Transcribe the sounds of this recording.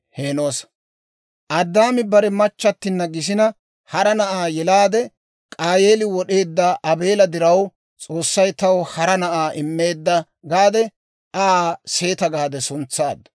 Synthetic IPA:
he̞ːno̞ːs | ʔɐd̪ːaːmɪbɐɾɛmɐt͡ʃːɐt̪ːɪnːɐɡɪs̬ɪnɐ | hɐɾɐnɐʔaːjɛlaːd̪ɛ | kʼaːjeːlɪwɔɗe̞ːd̪ːɐʔɐbe̞ːlɐd̪ɪɾɐw | t͡sʼo̞ːsːɐjt̪ɐwhɐɾɐnɐʔaːʔɪmːe̞ːd̪ːɐ | ɡaːd̪ɛ | ʔaːse̞ːt̪ɐɡaːd̪ɛsʊnt͡sːaːd̪ɐ̥

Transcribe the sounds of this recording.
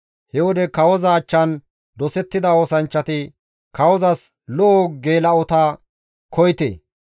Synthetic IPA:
hɛwɔd̪ɛkɐwɔzɐːt͡ʃːɐn | d̪ɔsɛt̪ːɪd̪ɐoːsɐnt͡ʃːɐt̪ɪ | kɐwɔzɐs | lɔʔɔɡe̞ːlɐɔt̪ɐ | kʰɔjt̪ḛː

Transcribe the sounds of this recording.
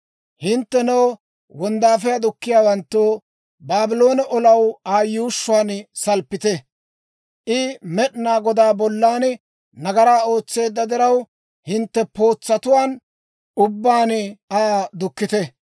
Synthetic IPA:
hɪnt̪ːɛnɔw | wɔnd̪aːfɛjɐd̪ʊkːɪjaːwɐnt̪ːoː | baːbɪlo̞ːnɐʔɔlɐwaːjuːʃːʊaːnsɐlpːɪt̪ɛ | ʔɪmɛɗnaːɡɔd̪aːbɔlːaːn | nɐɡɐɾaːo̞ːt͡sːe̞ːd̪ːɐd̪ɪɾɐw | hɪnt̪ːɛpo̞ːt͡sːɐt̪ʊwaːn | ʊbːaːnaːd̪ʊkːɪt̪ɛ

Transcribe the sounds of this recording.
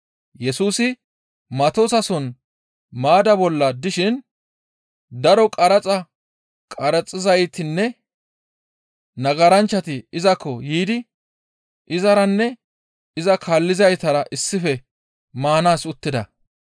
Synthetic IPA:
jɛsuːsɪ | mɐt̪osɐsɔn | maːd̪ɐbɔlːɐd̪ɪʃɪn | d̪ɐɾɔkʼɐɾɐt͡sʼɐ | kʼɐɾɐt͡sʼːɪzɐjt̪ɪnːɛ | nɐɡɐɾɐnt͡ʃːɐt̪ɪɪzɐkʰːɔjiːd̪ɪ | ʔɪzɐɾɐnːɛ | ɪzɐkʰaːlːɪzɐjt̪ɐɾɐʔɪsːɪfɛ | maːnaːsʊt̪ːɪd̪ɐ

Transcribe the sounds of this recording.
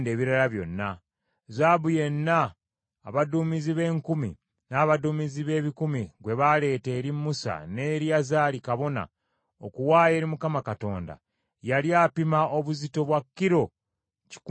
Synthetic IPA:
nde̞ːβiɾalaβjo̞̰nːa | zaːbuje̞nːa̰ː | βadumiziβe̞ːŋkumḭ | naːβaduːmiziβe̞ːβikumiɡwe̞βale̞ːte̞ːɾimːusa̰ne̞ːɾjazaːlikaβo̞na̰ | okuwaːje̞ːɾimukamakato̞̰ːnda̰ | jaljaːpimao̞βuzito̞βwakːiɾo̞ | ci̥k

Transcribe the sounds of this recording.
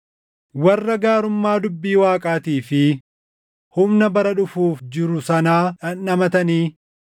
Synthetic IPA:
wɐrːɐɡaːɾʊmːaːd̪ʊbːiːwaːkʼaːt̪iːfɪ | hʊmnɐbɐɾɐᶑʊfuːfd͡ʒɪɾʊsɐnaːᶑɐnːɐmɐt̪ɐniː

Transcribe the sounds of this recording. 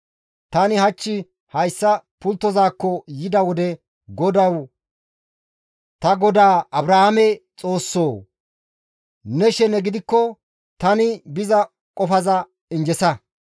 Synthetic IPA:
t̪ɐnɪhɐt͡ʃːɪ | hɐjsːɐpʊlt̪ːɔzaːkːɔjɪd̪ɐwɔd̪ɛ | ɡɔd̪ɐw | t̪ɐɡɔd̪aːʔɐbɾahamɛt͡sʼo̞ːsːo̞ː | nɛʃɛnɛɡɪd̪ɪkːɔ | t̪ɐnɪbɪzɐ | kʼɔfɐzɐ | ɪnd͡ʒɛsɐ

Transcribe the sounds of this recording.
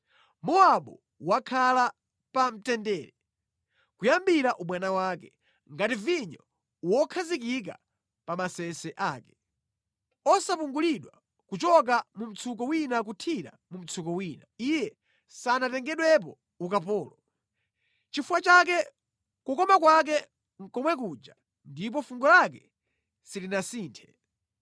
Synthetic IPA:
mɔaɓɔ | wakʰala | pam̩tɛndɛːɾɛ | kujambiɾaʔuɓwanawaːkɛ | ŋɡativiɲɔ | wɔkʰazikik̬a̰ | pamasɛsɛʔaːkɛ̥ | ɔsapuŋɡuliɗwa | kut͡ʃɔk̬amum̩t͡sʰuk̬ɔwinak̬utʰiɾa̰mum̩t͡sʰukɔwiːnaijɛ | sanatɛŋɡɛɗwɛp̬ɔ | ukapɔːlɔ | t͡ʃifuwat͡ʃak̬ɛ | kukɔmakwak̬ɛ | ŋ̩kɔmwɛk̬uːd͡ʒa | ndip̬ɔfuŋɡɔlak̬ɛ | silinasiːntʰɛ̥

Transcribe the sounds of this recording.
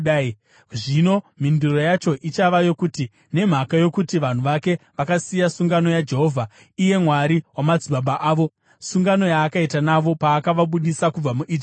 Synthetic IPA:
ʐino̞m̤induro̞jat͡ʃo̞ʔit͡ʃaʋajo̞kuti | ne̞m̤akajo̞kutiʋan̤uʋake̞ʋakasijasuŋɡano̞jad͡ʒe̞ɦo̞ːvʱa | ije̞mwaɾiwamad͡ziɓaɓaʔaːʋo̞ | suŋɡano̞jaːkaitanaʋo̞paːkaʋaɓuɗisakub͡vamuʔid͡ʒ

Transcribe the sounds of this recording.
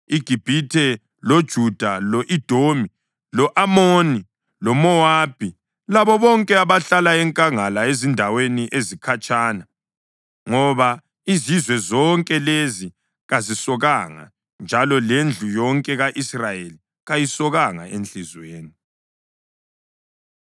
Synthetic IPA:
iɡ̥ʱib̥ʱitʰɛ | lod̥ʒ̥ʱud̥ʱalɔʔid̥ʱomi | lɔʔamoːni | lɔmɔaːb̥ʱi | laβɔβɔŋkʼɛaβaɬalaɛŋkʼaŋalaezindʱaweniʔezikʰat͡ʃʼaːna | ŋɔβa | izizwɛzɔŋkʼɛlezi | ɣazisɔɣaŋa̰ | nd͡ʒʱalɔlend͡ɮʱujɔŋkʼɛɣaʔisrajeli | ɣajisɔɣaŋa̰ent͡ɬizweːni

